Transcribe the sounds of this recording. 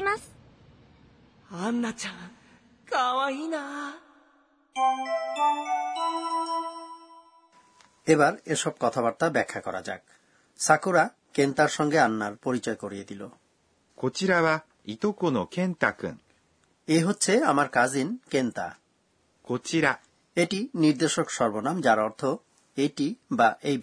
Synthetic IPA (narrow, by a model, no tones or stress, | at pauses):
as | anːat͡ɕa | kʰawaɦina | ebaɾeʃɔb̚kɔt̪ʰabaɾt̪abɛkʰːakɔɾa̰d͡ʑa̰k̚ | sakoɾa | kent̪aɾʃɔŋɡeanːaɾpoɾit͡ɕɔekoɾijed̪ilo̰ | kʰot͡ɕiɾaβa | it̪okonokẽnt̪akɯ̰̃ŋ | eɦotːɕʰeamaɾkad͡ʑinkent̪a̰ | kʰot͡ɕiɾa | eʈiniɾd̪eʃokʃɔɾbonamd͡ʑaɾɔɾt̪ʰo | eʈibaʔej